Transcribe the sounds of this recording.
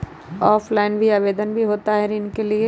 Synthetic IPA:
ɔːflaːɪnbʱiaːʋeːd̪ənbʱiɦoːt̪aɦɛɾɪnkelie

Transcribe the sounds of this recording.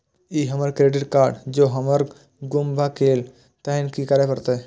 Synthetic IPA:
iːɦəməɾkɾeɖɪʈkaːɾɖd͡ʒoːɦəməɾ | ɡʊmbʱakeːl | t̪əinkikəɾepəɾt̪eɛ

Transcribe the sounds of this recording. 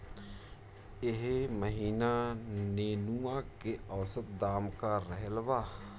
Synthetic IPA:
ɪɦməɦiːnaneːnuãkeɔːsət̪̚d̪aːmkaɾəɦlʋaː

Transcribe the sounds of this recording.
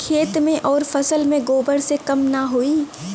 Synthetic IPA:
kʰeːt̪mẽʔɔːɾfɐsəlmẽɡoːbəɽsekɐmnɐɦoiː

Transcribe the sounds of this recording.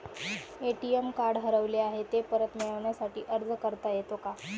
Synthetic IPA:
eʈiemkaɾɖɦəɾəʋleaɦet̪epəɾət̪miɭəʋɳjasaʈiːʔəɾd͡zkəɾt̪ajet̪oka

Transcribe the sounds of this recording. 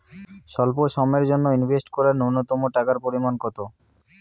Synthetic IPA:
ʃɔlpoʃɔmeɾd͡ʑonːoinbʱesʈkɔɾaɾnownot̪ɔmoʈakaɾpoɾimankɔt̪o

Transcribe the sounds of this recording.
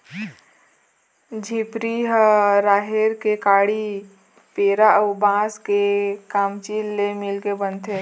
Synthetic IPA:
d͡ʒʱiːpɾiɦəɾaːɦeɾkekaːɽi | peːɾaəwbãːskekaːmt͡ʃiːlːemɪlkebənt̪ʰe

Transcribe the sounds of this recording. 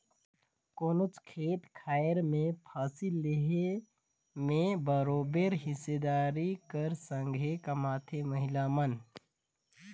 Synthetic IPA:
koːnʊt͡ʃkʰeːt̪kʰaːɾmẽpʰaːsilleɦe | mẽbəɾoːbeɾɦɪsed̪aːɾikɐɾsə̃ŋɡʱekɐmaːt̪ʰeməɦɪlamən

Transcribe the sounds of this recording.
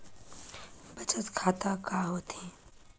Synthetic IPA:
bət͡ʃət̪kʰaːt̪akaɦoːt̪ʰĩ

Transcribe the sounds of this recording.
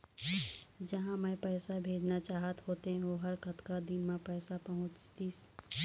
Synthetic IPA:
d͡ʒɐɦãmɛ̃pɛːsabʱeːd͡ʒnat͡ʃaːɦət̪ɦoːt̪eɦɛ̃oɦɐɾkɐt̪kad̪ɪnmẽpɛːsapɐɦʊ̃t͡ʃt̪i

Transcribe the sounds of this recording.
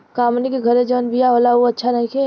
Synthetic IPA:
kaːmnikeɡʱəɾẽd͡ʒəːnbijaɦoːlaʋoɐtːʃʰaɾɐɦẽkʰe

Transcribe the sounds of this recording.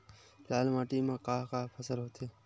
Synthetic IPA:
laːlmaːʈiːmãkaːkaːpʰəsəlɦoːt̪e

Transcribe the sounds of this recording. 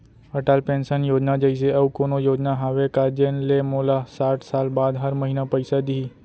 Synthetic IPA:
ɐʈaːlpẽːnsənjoːd͡ʒnad͡ʒəis̬eɐbkoːnojoːd͡ʒnaɦaːʋekad͡ʒenlemoːlasaːʈʰsaːlbaːd̪ɦəɾməɦiːnapəɪsad̪ii

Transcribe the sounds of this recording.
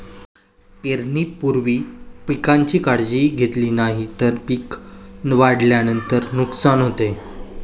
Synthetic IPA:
peɾniːpuɾʋiːpikaɲt͡ɕiːkaɽd͡ʑiːɡʱet̪liːnaɦit̪əɾpiknʋaɽljanənt̪əɾnuksanɦot̪e

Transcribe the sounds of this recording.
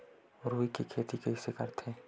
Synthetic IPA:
ɾuikikʰeːt̪ikeisekəɾt̪ʰeː

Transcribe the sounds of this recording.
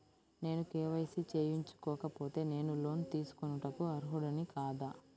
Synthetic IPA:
ne̞ːnukeːʋɐjsit͡ʃeːjiɲt͡ʃu̥kɔːkɐpo̞ːt̪e̞ːne̞ːnulo̞ːnit̪iːsu̥konuʈɐkuɐɾuɦuɽɐnikaːd̪aː

